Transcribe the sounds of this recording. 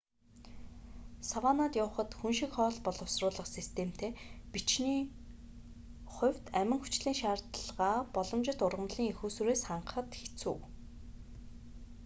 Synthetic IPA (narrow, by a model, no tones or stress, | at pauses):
sawaːnaːt̪jʊːχə̆t̪xunʃĭkχɔːɮpɔɮɞ̆wsrʊːɮə̆qsist̪ʰem̥t̪ʰeːpit͡ɕniː | χʊ̟w̥ʲt̪æmʲɪ̆ŋxut͡ɕɮiːŋʃaːrt̪ɮʁaːpɔɮɞ̆mt͡ɕɪ̆t̪ʊrʁə̆mɮiːŋexuːsuɾeːsχaɴɢχə̆t̪xe̥t͡sṵː